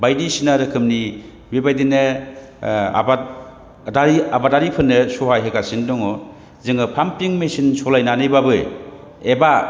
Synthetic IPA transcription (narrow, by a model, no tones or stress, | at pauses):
bajdisinaɾɯkʰɯmni | bibajdinɯ | a̰ba | daɾiabadaɾipʰɯnːɯsoɦajɦekasindɔŋɔ | zɯŋɯpʰampiŋmesinsɔlajnanɯjbabɯ | eba